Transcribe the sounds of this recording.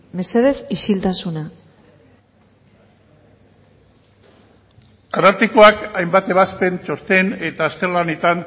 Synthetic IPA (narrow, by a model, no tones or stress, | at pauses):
me̞se̞ð̞e̞siʃilt̪asuna | anaɾt̪ikoakajmbat̪e̞β̞aspe̞nt͡ʃo̞st̪e̞ne̞t̪aːst̪eɾlanet̪an